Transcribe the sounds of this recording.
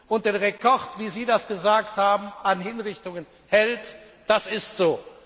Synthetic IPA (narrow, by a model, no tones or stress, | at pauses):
ʔʊntd̥eːnʁekʰɔʁtv̥iːziːdasɡ̥əzaːkthaːbm̩anhɪnʁɪçtʊŋən | hɛlt | d̥asɪstz̥oː